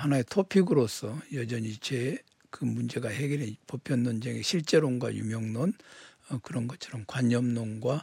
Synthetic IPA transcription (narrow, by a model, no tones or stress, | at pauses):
hanaetʰopʰiɡɯɾos͈ʰʌjʌd͡ʑʌɲit͡ɕe | kɯmund͡ʑe̞ɡaheɡeɾepʌpʰjʌnːond͡ʑeŋeɕʰiɭt͡ɕ͈e̞ɾoŋɡwa̰jṵmjʌŋnonʌkɯɾʌnɡʌt͡ɕʰʌɾʌmkwaɲːʌmnoŋɡwa